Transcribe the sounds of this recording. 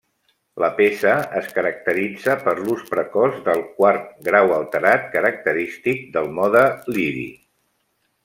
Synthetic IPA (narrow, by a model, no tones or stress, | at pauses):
ləpesəəskəɾək̚t̪əɾid͡zəpəɾluspɾəkɔzðəlˠkwart̪̚ɡɾawəlˠt̪əɾat̪̚kəɾək̚t̪əɾist̪ik̚d̪əlˠmɔðəliɾḭ